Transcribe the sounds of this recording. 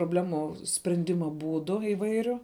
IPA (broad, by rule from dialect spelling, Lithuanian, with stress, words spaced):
proːbʲˈlʲæːmuː sʲpʲrʲɛnʲˈdʲɪmɐ ˈbuːdʊ ɪˈʋɐɪrʲʊ